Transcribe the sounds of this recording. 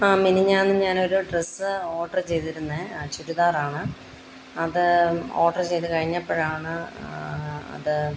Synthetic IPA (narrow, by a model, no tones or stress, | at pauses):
aːminiɲaːnnːɨmɲaːno̞ɾuɖresɨo̞ːʈːɐrt͡ɕe̞jt̪iɾunːet͡ɕuɾuðaːraːɳɨ | ɐðɨoːʈːɐrt͡ɕejt̪ɨkɐɻiɲːɐpːoːɻaːɳɨ | ɐ̰ðɨ